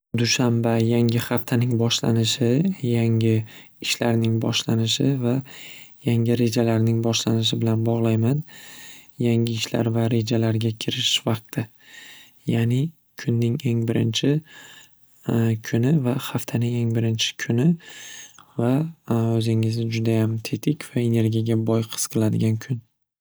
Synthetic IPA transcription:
d̪ʊʃambajaŋɪχaft̪ʰanɪŋbɒʃla̰nɪʃɪjaŋɪ | ɪʃlaɾnɪŋbɒ̰ʃlanɪʃɪvajaŋɪɾe̞d͡ʒalaɾnɪŋbɒʃlanɪʃ̬ɪbɪlanbɒʁlˠajman | jaŋʲɪɪʃla̰ɾvaɾe̞d͡ʒalaɾɡʲakʲʰɪɾɪʃvɑq̚t̪ʰɪ | janɪ | kʰʊnːɪŋe̞ŋbɪɾɪnt͡ʃʰɪ | kʰʊnɪvahaft̪ʰanɪŋe̞ŋbɪɾɪnt͡ʃʰɪ̥kʰʊnɪ | vaɵzɪŋɪzɪd͡ʒʊd̪ajamt̪ʰet̪ʰɪkʲv̥ae̞ne̞ɾɡʲijaɡʲabɒjqʰɨ̥sqʰɨlˠad̪ɪɡʲankʰʊn

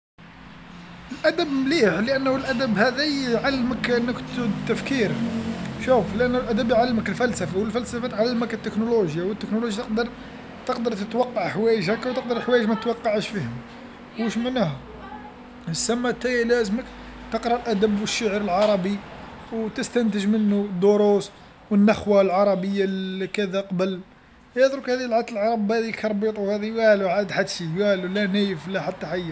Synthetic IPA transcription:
əlʔæd̪əbmliħləʔænːhəlʔæd̪əbhæd̪æʕalːməkʔənːəkt̪d̪t̪ːæfkiɾʃufləʔænːʊlʔæd̪æbjʕalːməkəlfælsəfawəlfælsəfæt̪ʕalːməkət̪ːəknoloʒjawət̪ːəknoloʒjat̪əqd̪əɾˤ | t̪əqd̪əɾˤt̪ət̪wɑqːɑʕħwæjəʒækːwt̪əq̚d̪əɾˤħwæjəʒmæt̪ət̪wɑqːɑʕəʃfihəm | wəʃməʕnæhæ | əsːæmːæt̪ːæjælæzmək | t̪əqɾˤɑlʔæd̪əbwəʃːaʕɾəlʕɑɾˤɑbi | wt̪əst̪ænt̪əʒmənːud̪ːoɾus | wənːəxwalʕɑɾˤɑbəjːakæd̪æqɑbəl | jɑd̪ˤɾukhæd̪ilʕat̪əlʕɑɾˤɑbhæd̪ilkʰɑɾˤbit̪ˤwhæd̪iwæluʕad̪d̪ħad̪ʃiwælulænæjəflæħat̪ːaħajːa

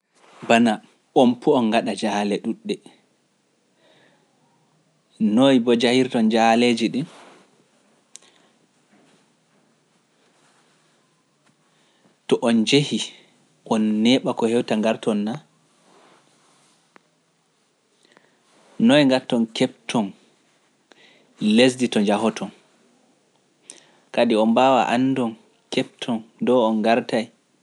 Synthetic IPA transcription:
bana | ɓɔmpʰɔɔnɡaɗad͡ʒalɛɗuɗːɛ | nojbɔd͡ʒahiɾtɔnd͡ʒaled͡ʒiɗin | tɔʔɔnd͡ʒehi | ʔɔnːɛɓakɔhɛwtaŋɡaɾtɔnːa | nɔjŋɡatːɔnkɛp̚tʰɔn | les̬ditɔɲd͡ʒahɔtʰɔn | kadiɔnbaːwa̰ʔanːdɔn | kɛp̚tʰɔndɔɔnɡaɾtaj

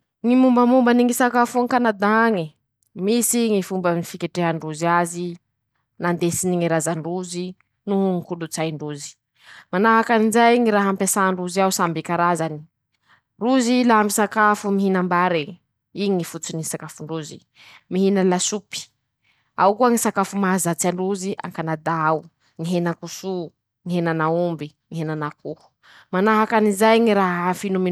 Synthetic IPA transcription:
ŋimumbəmumbaniŋisakafuŋkanad̪aŋi | misiŋifumbənifikeʈ͡ʂeɦaɳɖ͡ʐuziazi | nand̪esiniŋiɾazaɳɖ͡ʐuzi | nuɦuŋikulut͡sajɳɖ͡ʐuzi̥ | manaɦakanind͡zajŋiɾaɦampesaːɳɖ͡ʐuziausambikaɾazani̥ | ruzilaɦamisakafumiɦinambaɾi | iŋifut͡sinisakafuɳɖ͡ʐuzḭ | miɦinalasupi̥ | a̰wkuaŋisakafumazat͡siaɳɖ͡ʐuziʔa̰ŋkanad̪aau | ŋiɦenakusu | ŋiɦenanaumbi | ŋiɦenanakuhu̥ | manaɦakanizajŋiɾaɦfinumi

